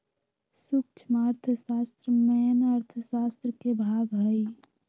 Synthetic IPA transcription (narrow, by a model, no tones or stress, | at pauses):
suk̚t͡ʃʰmaɾt̪ʰəsaːst̪ɾəmɛnəɾt̪ʰəsaːst̪ɾəkebʱaːɡɦəi